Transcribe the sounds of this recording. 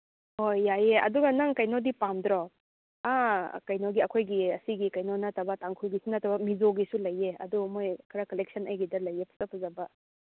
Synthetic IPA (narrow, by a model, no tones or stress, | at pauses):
hojːajeʔɐ̰duɡɐnaŋkɐjnodipamdɾɔ | akɐjnoɡiɐkʰojɡiɐsiɡikɐjnonɐtɐbɐtaŋkʰulɡisunɐtɐbɐmizoɡisulɐjeɐ̰dumojkʰɾɐkɐlek̚sɐnɐjɡidɐlɐjepʰu̥sapʰuzɐbɐ